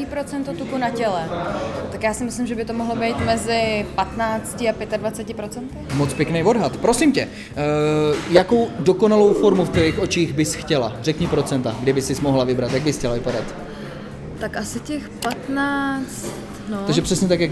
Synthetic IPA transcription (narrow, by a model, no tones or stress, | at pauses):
iːpɾot͡sɛnt̪ot̪ukunacɛlɛt̪akjaːsɪmɪslɪmʒɛbɪt̪omo̞ɦlobɛjt̪mɛzɪpat̪naːt͡scɪapjɛt̪advat͡sɛcɪpɾot͡sɛnt̪ɪmot͡spjɛknɛjvo̞dɦat̪pɾo̞simcɛ | jako̞wdo̞ko̞nalo̞wfo̞ɾmuft̪ixʔo̞t͡ʃiːɣbɪsxcɛla̰rɛkɲɛpɾo̞t͡sɛnt̪aɡdɛbɪsɪsmoɦlavɪbɾat̪jaɡ̚bɪsxcɛlavɪpadat̪ | t̪akʔasɪcɛxpat̪naːt͡st̪noaɡʒɛprɛsɲɛt̪akjak